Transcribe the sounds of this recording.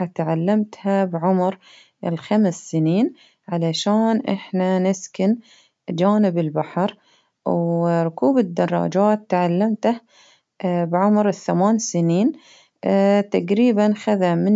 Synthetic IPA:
at̪ʕalːamt̪habʕʊmɾ | ɪlxamsːɪniːn | ʕalaʃaːnʔɪ̰ħnanɪskɪn | d͡ʒaːnɪbɪlbaħɑɾ | wɾˤʊkuːbɪd̪ːɑrˤːɑ̰ːd͡ʒaːt̪ːʕalːamt̪ah | bʕʊmɾɪθːamaːnsɪniːn | t̪aɡɾiːbanxaðamɪ

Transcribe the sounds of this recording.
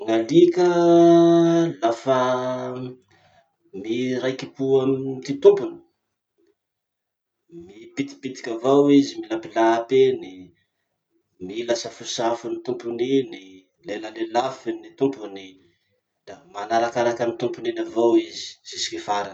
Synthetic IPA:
ŋalikʲə | lafa | miɾajkipuamt̪it̪umpuni̥ | mipit̪i̥pit̪i̥kʲavawizimilapilapeni | milasəfusafunit̪umpunini | leləlelafinit̪umpuni | d̪̥amanaɾakaɾakamint̪umpuninavawizi̥zisi̥kifaɾan

